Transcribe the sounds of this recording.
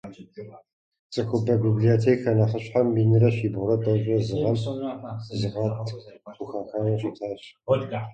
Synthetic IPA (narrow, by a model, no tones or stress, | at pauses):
t͡sʼɨxʷʊbɐbiblijotʰeːkxɐnɐχəɕħambiːnɨrɐɕiːbʁʊrɐtʼɐɕʷʼɐzɨʁɐm | zɨʁɐtʰxʷʊxɐxanɐɕitʰaːɕ